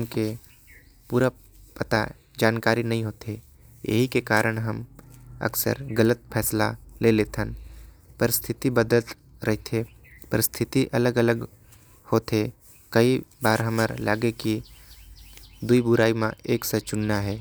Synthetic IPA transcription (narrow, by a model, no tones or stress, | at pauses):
mke | puːɾa | pət̪a̰ | d͡ʒaːnkaːɾinɐɦĩɦoːt̪ʰe | jə̰ɦikekaːɾəɽ̃ɦəmə̰ksə̰ɾɡələt̪̚pʰɛːsla̰leleːt̪ʰən | pəɾɪst̪ʰɪt̪ibəd̪əlt̪ | ɾɐɦt̪ʰe | pəɾɪst̪ʰɪt̪iʔɐləɡələɡ | hoːt̪e | kɐibaːɾɦəməɾla̰ːɡeki | d̪uibʊɾaːimã̰eːksət͡ʃʊnːaɦɛː